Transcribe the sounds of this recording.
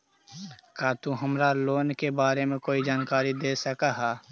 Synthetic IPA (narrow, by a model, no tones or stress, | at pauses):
kaːt̪uɦəmɾaloːnkebaːɾemẽkoːid͡ʒaːnkaːɾid̪eːsəkaɦɛː